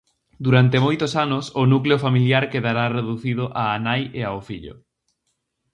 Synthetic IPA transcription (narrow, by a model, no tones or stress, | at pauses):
d̪uɾant̪emojt̪osanʊsʊnukleofamiljaɾkeðaɾareðuθiðʊʔaːnajeaofiʎo̰